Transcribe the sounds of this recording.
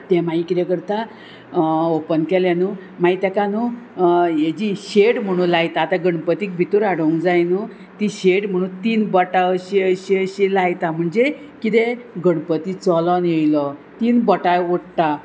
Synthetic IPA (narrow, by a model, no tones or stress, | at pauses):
t̪ɛmaikiɾekəɾt̪a | opənkɛljanumait̪akanu | jed͡ʑiɕeʈm̤əɽ̃ũlajt̪aːt̪aɡəɳpət̪iːk̚bʱit̪uɾaɽəũd͡zajnu | t̪iɕeʈm̤əɽ̃ũnt̪iːnbəʈaəɕeɕeəɕilajt̪am̤əɳd͡ze | kit̪eɡəɽpət̪it͡sɔlɔnjejlɔt̪iːnbəʈajoɽt̪a